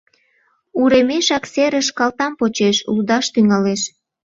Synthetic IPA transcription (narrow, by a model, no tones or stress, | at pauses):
uɾemeʃɑkseɾəʃkɑlt̪ɑmpot͡ɕeʃṵld̪ɑʃt̪yŋɑleʃ